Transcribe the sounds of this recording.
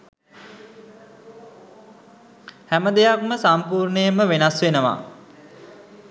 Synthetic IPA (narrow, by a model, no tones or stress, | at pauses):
hæməd̪ejak̚məsampuːɾɳəjəməʋenasʋenəʋa̰